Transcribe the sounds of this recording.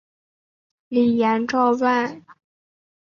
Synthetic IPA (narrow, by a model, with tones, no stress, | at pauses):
li˨˩jɛ˧˥nʈ͡ʂɑ˥˧ʊwa˥˩n